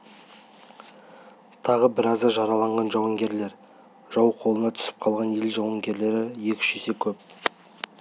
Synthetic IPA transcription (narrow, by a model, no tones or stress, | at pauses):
t̪ʰɑʁəbɪɾɑzd̪ɑʒɑɾɑlˠɑɴʁɑnʒɑwɑŋɡʲe̞ɾle̞ɾ | ʒ̥ɑwqʰo̞lˠənɑt̪ʰʏ̥sɪ̥p̚qʰɑlˠʁɑnjelʒɑwɑŋɡʲe̞ɾle̞ɾɪje̞kʲɪ̥ʃese̞kʲʰɵp̚